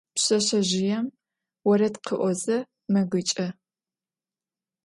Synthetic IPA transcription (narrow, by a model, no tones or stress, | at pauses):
pɕɐɕɐʑɪjɛm | wɔɾɐtqʰəʔʷɔzɐ | mɐɡɨt͡ʃʼɐ